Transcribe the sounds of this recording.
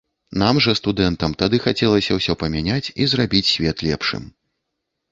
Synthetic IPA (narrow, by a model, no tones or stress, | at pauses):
namʐɐst̪ud̪ɛnt̪ɐmt̪ad̪ɨxat͡sʲɛlˠɐsʲɐwsʲɔpɐmʲanʲat͡sʲizrabʲit͡sʲsʲvʲɛt̪lʲɛpʂɨ̰m